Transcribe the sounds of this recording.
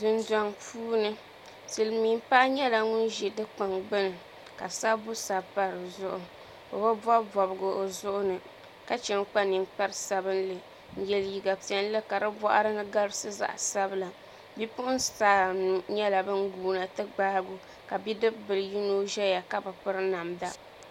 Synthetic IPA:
dɨ˨ndɔ˨ŋpuː˦nɨ˦ | sɨ˨lmiː˨˦m˦pa˦ʔɲɛ˦la˨ŋʊ˦nʒɛ˨dɨ˦k͡pa˨ŋɡ͡bɨ˦nɨ˨ | ka˨sa˦bʊ˦sa˨pa˦ɾɨ˨zʊ˦ʔʊ˨ | o̰˨ba˦bɔ˦bɔ˨bɨ˨ɡʊ˨ʔo˨zʊ˦ʔʊ˦nɨ˨ | ka˨t͡ʃɛ˨ŋk͡pa˦ni˨nk͡pa˦ɾsa˨bɨ˦nlɨ˨ | n̩˨jɛ˨lji˨ɡa˨pi˨ɛ˨n˦lɨ˦ka˨dɨ˦bɔ̰˦ʔa̰˦ɾɨ˦nɨ˦ɡa˦ɾɨ˦sɨ˦za̰˨ʔsa˦bɨ˦la˨ | bi˦pʊ˦ʔʊ˦n˦sa˨ɲɛ˦la˨bɨ˦ŋ˦ɡuː˦na˨tɨ˦ɡ͡baː˦ɡʊ˨ | ka˨bi˦dɨ˦bbɨ˨lɨ˨ji˦no˦ʒɛ˦ja˨ka˦bɨ˨pɨ˦ɾɨ˦na˨mda˦

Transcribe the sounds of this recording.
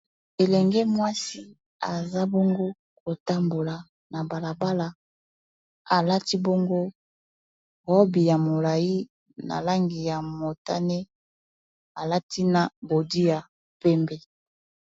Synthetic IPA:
e˨lɛ˨ŋɡe˦mwa˦si˦ | a˨za˦bɔ˦ŋɡo˦ | ko˨ta˦mbo˨la˨ | na˨ba˨la˨ba˦la˨ | a˨la˦ti˦bo˦ŋɡo˦ | ʁɔ˦bi˨ja˨mo˨la˨i˦ | na̰˨la˦ŋɡi˨ja˨mo˨ta˦ne˦ | a˨la˦tʰi˦na˨bo˨di˦ja˨ | pɛ˦mbe˦

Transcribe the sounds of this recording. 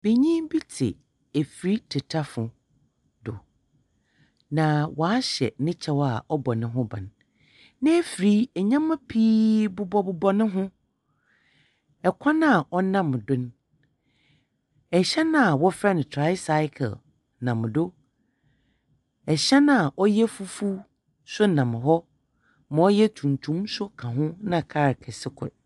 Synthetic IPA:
b̥e˨ɲĩ˦bi˦tʰɪ̰˨ | æ˨fɾi˦tʰɪ˨tʰa˦fʊ˨ | dʊ˨ | nã˨wɔ˨a˦ɕɛ̰˨nɪ̃˦t͡ɕʰɛ˦wa˨ɔ˦bɔ˨nɪ̃˦ɦʊ̃˦bã̰˨n | nɪ̃˦ɛ˦fɾi˦ɛ˨ɲã˦mã˦pʰiː˦bʊ˦bɔ˦bʊ˨bɔ˦nʊ̃˦ɦʊ̃˦ | ɛ˨kʷʰa˦nã˦˨ʔɔ˦nã˦m˨dʊ̃˦n | ɛ˨ɕɛ˦nã˦˨wɔ˦fɾɛ˦ñ˨tʰɾa˦ɪ˦sa˦ɪ˦kʰɛ̰˨l | nã˨m˨do˦ | ɛ˨ɕɛ˦nã˦˨a˨ʔɔ˦jɛ˦fu˦fu˦ | sʊ˦nã˨m˨ɦɔ˦ | mã˨ɔ˦jɛ˦tʰũ˨n˨tʰũ˦msʊ˦kʰã˨ɦʊ̃˦nã˨kʰa˦ɾkʰɛ˨sɪ˦kʰʊ̰˨ɾ

